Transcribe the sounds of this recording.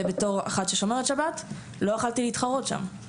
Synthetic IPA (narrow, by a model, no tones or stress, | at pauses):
ebeto̞ʁa̰χatʃeʃo̞meʁetʃabat | lo̞aχaltileitχaʁo̞tʃa̰m